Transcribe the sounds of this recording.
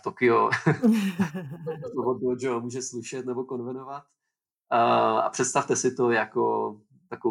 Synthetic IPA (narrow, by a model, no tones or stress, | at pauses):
t̪okɪo | dot̪oɦod̪oʒɛomuːʒɛslɪʃɛt̪nɛbo̞ko̞nvɛnovat̪ | a̰pr̥ɛt̪st̪aft̪ɛsɪt̪o̞jako | t̪ako